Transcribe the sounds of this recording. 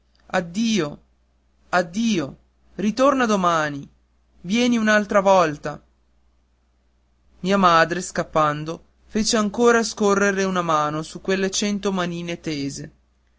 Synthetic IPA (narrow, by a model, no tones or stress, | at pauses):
ad̪ːiːo | ad̪ːiːo | ɾit̪ornad̪omaːni | vjɛːniunalt̪ɾavɔlt̪a | miːamaːd̪ɾeskapːand̪o | feːt͡ʃeaŋkoːɾaskorːeɾeunamaːnosukːwelːet͡ʃɛnt̪omaniːnet̪eːze